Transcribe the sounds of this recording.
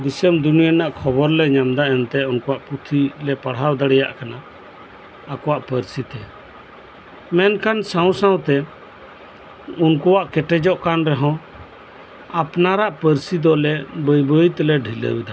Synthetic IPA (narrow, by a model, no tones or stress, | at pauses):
d̪isəmd̪unijənaʔkʰɔbɔɾlɛɲamd̪aɛnt̪ɛunkɔwaʔput̪ʰilɛpaɽ̤ɦawd̪aɽɛja̰ʔkanaː | kɔwaʔpəɾsit̪ɛ | mɛnkansaw̃sãw̃t̪ɛ | unkɔwaʔkɛʈɛd͡ʒɔʔkanɾɛɦɔ̃ | apnaɾaʔpəɾsid̪ɔlɛbəjbəit̪lɛɖʱilə̰wid̪a